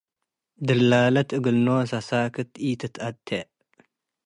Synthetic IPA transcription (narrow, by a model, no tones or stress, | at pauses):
d̪ɨlːaːlɐt̪ɨɡɨlnosɐsaːkʰɨt̪it̪ʰɨt̪ʔɐt̪ʰːeʔ